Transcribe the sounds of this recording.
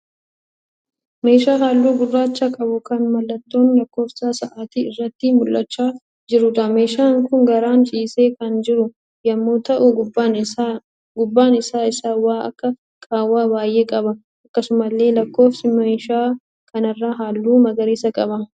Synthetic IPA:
me̞ːʃaːɦaːlːuːɡʊrːaːt͡ʃːakʼɐbʊkɐnmɐlːɐt̪ːo̞ːnlɐkːo̞ːfsaːsɐʔaːt̪iɪrːɐt̪ːɪmʊlːɐt͡ʃːaː | d͡ʒɪɾʊᶑ̪ɐme̞ːʃaːŋkʊŋɡɐɾaːnt͡ʃʼiːse̞ːkɐnd͡ʒɪɾʊ | jɐmːoːt̪ɐʔʊɡʊ | ɡʊbːaːnɪsaːɪsaːwaːɐ̰kːɐ | kʼaːwːaːbaːjːeːkʼɐbɐ | ɐkːɐsʊmɐlːe̞ːlɐkːo̞ːfsɪmeːʃaː | kʰɐnɐrːaːɦaːlːuːmɐɡɐɾiːsɐkʼɐbɐ

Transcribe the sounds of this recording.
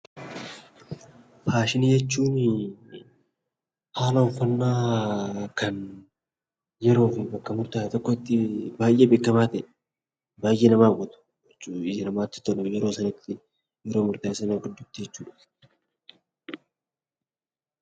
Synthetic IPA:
fʰaːʃɪnijɛt͡ʃːuːn | haːlɐʊfɐnːaː | kɐn | jɛɾo̞ːfɪbɐkːɐmʊɾt̪aːjt̪ɔkːɔɪt̪ːɪbaːjʔeːbɪkːɐmaːt̪ɐʔɛ | baːjʔeːnɐmaːɡɔt̪ʊ̥ | t͡ʃːɪd͡ʒɛnɐmaːt̪ːɪ̥t̪ɔlɔjɛɾo̞ːsɐnɪt̪ːɪ | jɛɾoːmʊɾt̪aːɪsɐnɐɡɪd̪ːʊt̪ːɪd͡ʒɛt͡ʃːuːᶑɐ̥

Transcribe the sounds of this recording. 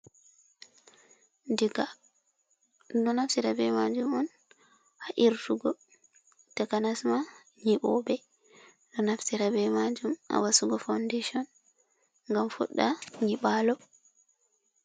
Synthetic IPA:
ndiɡa | dɔnaftiɾabɛmad͡ʒumɔn | aʔiɾtuɡɔ | takanasma | ɲiɓɔbɛ | dɔnaftiɾabɛmad͡ʒuma̰wasuɡɔfawndeʃiɔn | ŋɡamfṵɗːaɲiɓalɔ

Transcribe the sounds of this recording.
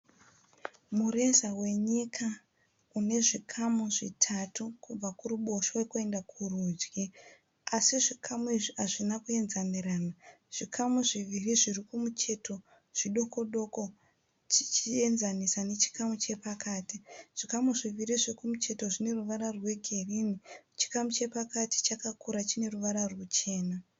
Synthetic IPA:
mure̞zawe̞ɲikʰa | une̞ʐikʰamuʐitʰatʰukub͡vakuɾuɓo̞ʃawekue̞ndakʰurud͡ʒɡi | asiʐikʰamuiʐiaʐinakue̞nzaniraːna | ʐ̥ikʰamuʐiʋiriʐirikumut͡ʃe̞to̞ | ʐ̥iɗo̞ko̞ɗo̞ko̞ | t͡ʃit͡ʃie̞nzanisane̞t͡ʃi̥kamut͡ʃe̞pakaːtiʐ̥ikamuʐiʋiriʐiikumut͡ʃe̞to̞ʐine̞ruʋaɾarwe̞ɡʱe̞rinit͡ʃi̥kamut͡ʃe̞pakati̥t͡ʃakakuɾat͡ʃine̞ruʋaɾarwut͡ʃe̞ːna

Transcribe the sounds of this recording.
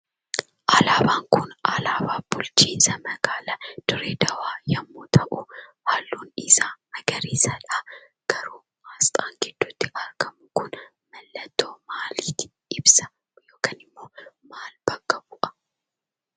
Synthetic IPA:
ʔɐlaːbaːŋkʊnɐlaːbaːb̥ʊlt͡ʃiːnsɐmɐɡaːlɐd̪̥ʊɾeːd̪ɐwaːjɐmːuːt̪ʰɐʔuhaːlːuːnɪsaːmɐɡɐɾiːsɐᶑaː | ɡ̥ɐɾuː | maːst̪ʼaːŋɡɛd̪̥ːʊt̪ːɪʔɐɾɡɐmʊkʊn | mɐlːɐt̪ːoːmaːliːt̪ɪ̥ | ɪbsɐ̥ | joːkɐnɪmːo̞ːmaːlb̥ɐɡɐbʊʔɐ̥

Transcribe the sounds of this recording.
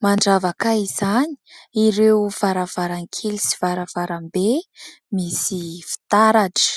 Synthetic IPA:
maɳɖ͡ʐavakaizaɲi̥iɾewv̥aɾav̥aɾaŋkʰelisi̥vaɾavaɾambe | misifi̥t̪aɾaʈ͡ʂə̥

